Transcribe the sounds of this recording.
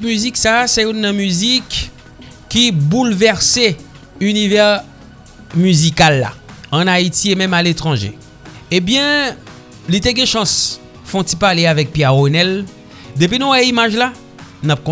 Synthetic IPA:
myziksasɛunːɑ̃myzikː | ibulvɛʁse | ynivɛʁ | myzikalːa̰ɑ̃nait̪iemɛ̃malet̪ʁɑ̃ʒḛ | ebjɛ̃ | lit̪eɡɛ̃ʃɑ̃s | fɔ̃t̪ipaʁleavɛk̚pjɛʁʁonɛl | d̪ep̬inɔ̃wɛimaʒla | nap̚kɔ̃

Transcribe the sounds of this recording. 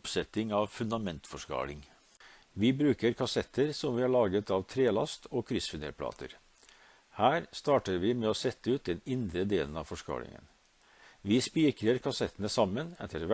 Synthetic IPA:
psɛt̪ɪŋɑʋfʉnd̪ɑmɛnt̪fɔʂkɑ̰ːlɪŋ | ʋɪbɾʉːkəɾkʰɑsɛt̪ʰːəɾsɔmʋɪːæɭɑːɡət̪ɑʋt̪ʰɾeːlɑ̰st̪ʰoːkʰɾɪsfɪnḛpʰlɑ̰ːt̪ʰə̰ɾ | hæːɾst̪ɑːʈəɾʋɪmɛːoːsɛt̪ːəʉːt̪̚d̪ɛnɪnd̪ɾəd̪eːlən̩ɑʋfɔʂkɑ̰ːlɪ̰ŋə̰n | ʋɪspiːkɾəɾkʰɑsɛt̪ːənəsɑmːənɛ̰t̪ʰːəɾʋ

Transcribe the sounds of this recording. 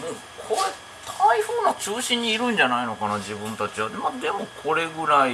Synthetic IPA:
mo | kʰoɾe | t̪ʰaiɸɯːnat͡ɕɨːɕĩɲ̟ːiːɾɯ̟̃ɲ̟d͡ʑanaino̞kanad͡ʑibɯ̟̃nt̪at͡ɕiβad̪mad̪e̞mo̞kʰo̞ɾe̞ɡɯ̟ɾai

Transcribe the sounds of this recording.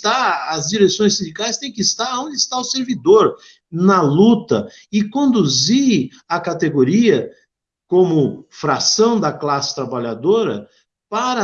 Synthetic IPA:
t̪aɐzd͡ʒiɾesõj̃sĩnd͡ʒ̪ikajst̪ẽj̃kɪist̪aɾɐõnd͡ʒ̪ɪɪst̪aʊseɾvid̪oɾ | nɐlut̪ɐ | ɪkõnd̪uzi | ɐkat̪eɡoɾiɐ | kõmʊfɾasɐ̃w̃d̪ɐklasɪ̥t̪ɾabaʎad̪oɾɐ̰ | paɾɐ

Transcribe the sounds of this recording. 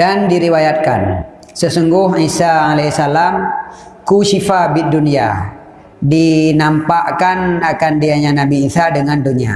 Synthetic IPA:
dandiɾiwajat̪̚ka̰n | səsuŋɡʊɦisaalasalam | kuʃifabit̪̚dunia̰ | dinampaʔkanakandiaɲanabiːsadəŋandunia̰

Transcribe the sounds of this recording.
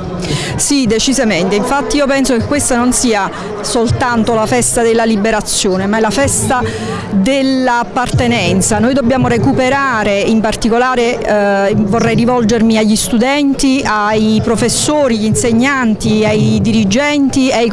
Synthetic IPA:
sid̪et͡ʃizament̪eiɱfat̪ːiiːopɛnsokekːwest̪anonsiːa | solt̪ant̪olafɛst̪ad̪elːalibeɾat̪sːjoːnemaɛlafɛst̪a | d̪elːaːpːart̪enɛnt̪sanoːjd̪obːjaːmoɾekupeɾaːɾeimpart̪ikolaːɾe | vorːɛjrivɔld͡ʒermiaʎːist̪ud̪ɛnt̪iajpɾofesːoːɾiʎinseɲːant̪iajd̪iɾid͡ʒɛnt̪ieaj

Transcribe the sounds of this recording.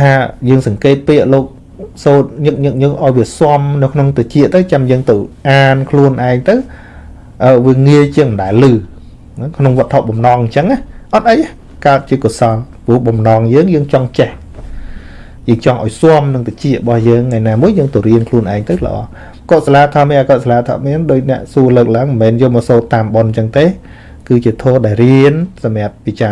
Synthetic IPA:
t̪ʰaːjəːŋsɑŋkeːt̪̚piəʔloːk̚ | soːt̪̚ɲɨk̚ɲɨk̚ɲɨhʔaɔjʋiəsoəmnɨwkʰnoŋt̪ɨt͡ɕiəʔt̪ɨwt͡ɕamjəːŋt̪ɨwʔaːnkʰluənʔaɛŋt̪ɨw | ʔəːʋiəŋiət͡ɕiəŋməɗaɛlːɨː | nkʰnoŋʋ̆ət̪ʰːoʔɓɑmnɑːŋɲt͡ɕəŋahʔɑt̪̚ʔəjah | kaət̪̚t͡ɕiəkusɑl | puəhɓɑmnɑːŋjəːŋjəːŋt͡ɕɑŋt͡ɕeh | jəːŋt͡ɕɑŋʔa̰ɔjsoəmnɨŋt̪at͡ɕiəʔɓɑhjəːŋːajnaːmuəjːəːŋt̪oɾiənkʰluənʔaɛŋt̪ɨwlə̆ʔɑ̰ː | koːt̪̚salaːt̪ʰɑmɛːkoːt̪salaːt̪ʰɑ̰mɛənɗoːc̚nɛ̆əʔsuələːk̚laəŋmənmɛːnjoːmɔːsoːt̪ːaːmɓont͡ɕəŋt̪eː | kɨːt͡ɕiət̪ʰoːɗaɛlriənsɑmĭəp̚ːit͡ɕa

